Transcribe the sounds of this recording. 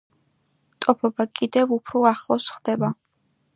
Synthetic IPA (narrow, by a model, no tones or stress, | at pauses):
t̪ʼɔpʰɔbakʼid̪ɛvupʰɾɔaχlˠɔsχd̪ɛba